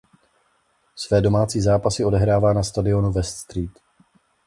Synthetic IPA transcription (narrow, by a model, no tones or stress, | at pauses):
svɛːdo̞maːt͡siːzaːpasɪo̞dɛɦɾaːvaːnast̪adɪo̞nuvɛst̪st̪ɾiːt̪